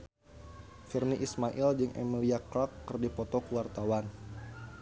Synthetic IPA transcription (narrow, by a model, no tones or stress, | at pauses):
firniʔismaʔild͡ʒɨŋʔḛmiliakɾɔkːɨrdipɔt̪ɔkəwart̪awan